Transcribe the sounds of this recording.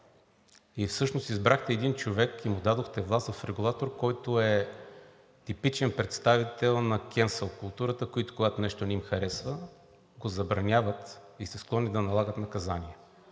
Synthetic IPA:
ifsɤʃnost̪izbɾaxt̪ɛːd̪int͡ʃovɛkimʊd̪ad̪oxt̪ɛvlˠast̪vɐfɾɛɡulˠat̪oɾkɔjt̪oɛ | t̪ipit͡ʃɛnpɾɛt̪st̪avit̪ɛlˠnɐkʲɛnsəlˠkʊlˠt̪uɾət̪əkoit̪o̥koɡat̪onɛʃt̪onɛimxɐɾɛsvə | ɡozɐbɾɐnʲavət̪isɛsklˠɔnid̪ɐnɐlˠaɡət̪nɐkɐzaniɛ

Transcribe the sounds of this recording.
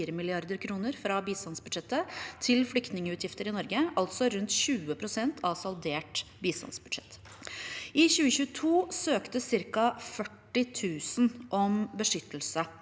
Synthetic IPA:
ɾəmɪlɪɑɾd̪əɾkʰɾuːnəɾfɾɑbiːst̪ɑnsbʉd̪ʃɛt̪ːət̪ʰɪlflʏkt̪nɪŋəʉːt̪ʰjɪft̪əɾɪnɔɾɡəɑlt̪sɔɾʉnt̪çʉːəpʰɾʊsɛnt̪ʰɑʋsɑld̪eːʈbiːst̪ɑ̰nsbʉd̪ʂɛt̪ː | ɪçʉːəçʉːət̪ʰuːsøːkt̪əsɪɾkɑfœʈːɪt̪ʰʉːsnʔɔmbəʂʏt̪ːlsə

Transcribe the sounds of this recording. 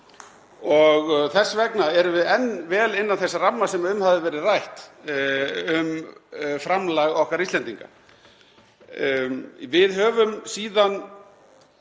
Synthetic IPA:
ɔɣθɛsːavɛknaɛɾʏvɪðɛnːvɛːlɪnːanθɛsːaramːasɛmaʏmhavðɪvɛːɾɪðrajht̪ | ʏmfɾamlaɣɔhkaɾist̪ɛnt̪iŋka̰ | vɪðɦœːvʏmsiːðan

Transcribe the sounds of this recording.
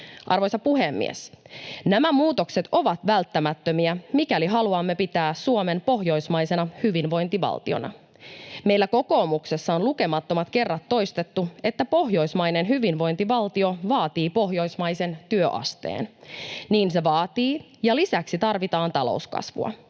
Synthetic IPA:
ʔɑrʋo̞jsɑpuɦemːḭḛsnæmæmuːt̪o̞kset̪o̞ʋɑt̪ʋælt̪ːæmæt̪ːømiæmikæliɦɑluɑmːe̞pit̪æːssuome̞npo̞ɦjo̞jsmɑjse̞nɑhyʋinʋo̞jnt̪iʋɑ̰lt̪io̰nɑ̰ | me̞jlːæko̞ko̞ːmukse̞sːɑonluke̞mɑt̪ːomɑt̪ke̞rːɑt̪ːo̞jst̪e̞t̪ːue̞t̪ːæpo̞hjo̞jsmɑjnenɦyʋinʋo̞jnt̪iʋɑlt̪io̞ʋɑːt̪iːpo̞ɦjo̞jsmɑjse̞nt̪yøʔɑ̰st̪ḛːnniːnse̞ʋɑːt̪iː | jɑlisæksit̪ɑrʋit̪ɑːnt̪ɑlo̞̰uskɑ̰sʋṵɑ̰

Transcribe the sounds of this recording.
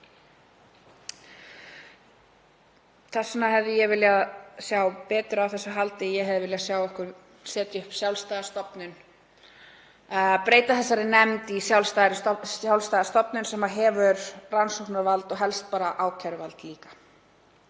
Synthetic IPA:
θɛsnaɦɛvðɪjɛɣvɪljaðsjawpɛːt̪ɾʏawθɛsːaɦalt̪ɪjɛɦɛvðɪvɪljasjaːwɛhkʏɾ | sɛːt̪ɪʏhpsjawlst̪ajðast̪ɔpnʏn | pɾeːjt̪aθɛs̬ːaɾɪnɛmt̪isjawlst̪aːjɾɪawlst̪ajðast̪ɔpnʏnsɛmaɦɛvʏɾransowhknaɾvalt̪ɔɣɦɛlst̪̚paːɾaʔaːwcʰaɾʏvalt̪liːkḁ

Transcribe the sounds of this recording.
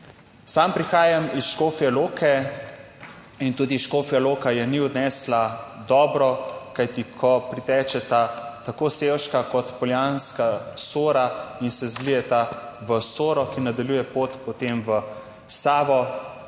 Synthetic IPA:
sampɾixaːjamisʃkoːfijɛloːkʰɛ | int̪uːd̪iʃkoːfijɛloːkajɛniɔd̪nɛːslad̪ɔːbɾɔkajt̪ikʰɔpɾit̪ɛːt͡ʃɛt̪at̪akoːsewʃkakɔt̪pɔljanskasoːɾainsɛzlijɛt̪a | ʋəsoːɾɔkinad̪aljuːjɛpoːt̪pɔt̪emʋə | saːʋɔ

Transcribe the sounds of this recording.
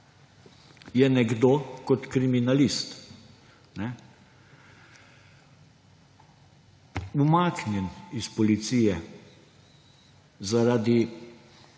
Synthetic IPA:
jɛnɛɡd̪oːkɔt̪kɾiminalist̪ | nɛ | umaːknjɛnispɔlit̪siːjɛ | zaɾad̪i

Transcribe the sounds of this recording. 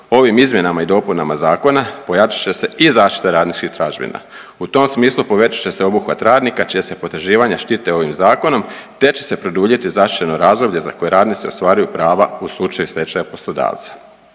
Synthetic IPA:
o̞ʋimizmje̞namaid̪o̞punamazaːko̞napo̞jat͡ʃḁt͡ɕe̞se̞ʔizaːʃt̪i̥t̪eɾaːd̪nit͡ʃkixt̪ɾaʒbḭna̰ | ut̪o̞msmiːslˠupo̞ʋe̞t͡ʃḁt͡ɕe̞seo̞buxʋat̪ɾaːd̪nikat͡ʃijasepo̞t̪ɾ̩ʒiːʋaɲaʃt̪it̪e̞o̞ʋimzaːko̞no̞mt̪e̞t͡ɕe̞̥se̞pɾo̞d̪uːʎet̪izaʃti̥t͡ʃeno̞ɾaːzd̪o̞bʎe̞za̰ko̞jeɾaːd̪nit̪sio̞st̪ʋaːɾajupɾaːʋa̰uslˠut͡ʃajusɾe̞t͡ʃajapo̞slˠo̞d̪a̰ːʋt̪sḁ

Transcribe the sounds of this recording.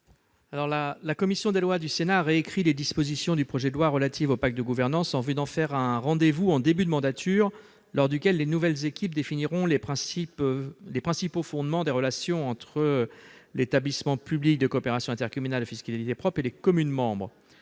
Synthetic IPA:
alɔʁlalakɔmisjɔ̃d̪elwad̪ysenaːʁeekχiled̪ispozisjɔ̃d̪ypχɔʒɛd̪əlwaʁəlat̪ivopakt̪̚d̪əɡuvɛʁnɑ̃sɑ̃vyd̪ɑ̃fɛʁɛ̃ʁɑ̃d̪evuɑ̃d̪ebyd̪əmɑ̃d̪at̪ʰyːʁ | lɔʁd̪ykʲɛlːenuvɛlzekʲip̚d̪efiniʁɔ̃lepχɛ̃siplepχɛ̃sipofɔ̃d̪mɑ̃d̪eʁəlasjɔ̃ɑ̃t̪χəlet̪ablismɑ̃pyblik̚d̪əkoːpeʁasjɔ̃ɛ̃t̪ɛʁkɔmynald̪əfiskallit̪epχɔpχelekɔmynmɑ̃bʁə

